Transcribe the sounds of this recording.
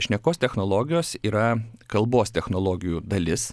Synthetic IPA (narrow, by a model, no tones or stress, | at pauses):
ʃʲnʲɛkoːst̪ʲɛxnoːlˠoɡʲɪjoːsiːɾɐkɐlˠboːst̪ʲɛxnoːlˠoːɡʲɪjuːd̪ɐlʲɪs